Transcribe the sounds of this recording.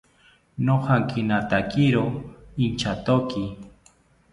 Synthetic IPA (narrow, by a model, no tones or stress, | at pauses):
nohaŋkinat̪akiɾoint͡ʃat̪oki